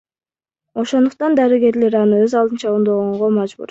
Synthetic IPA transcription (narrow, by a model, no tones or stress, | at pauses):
o̞ʃo̞nd̪uq̚t̪ɑnd̪ɑɾiɡe̞ɾle̞ɾɑnɯøzɑlˠd̪ɯnt͡ʃɑond̪oʁoɴʁo̞mɑd͡ʒbṵɾ